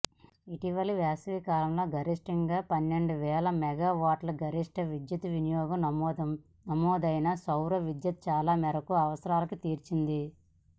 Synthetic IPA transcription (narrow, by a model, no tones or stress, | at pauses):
iʈiʋɐliʋaːsʋiːkaːlɐmlo̞ːɡʱɐɾiʂʈiŋɡaːpɐnːe̞ɳɖuʋɛːlɐmɛɡaːʋaːʈlɐɡɐɾiʂʈɐʋid̪jɐt̪uʋinijɔːɡɐm | nɐmɔːd̪ɐjnɐsɐwɾɐʋid̪jɐt̪̚t͡ʃaːlaːmɛɾɐkuɐʋɐsɐɾaːlɐkut̪iːɾt͡ʃind̪i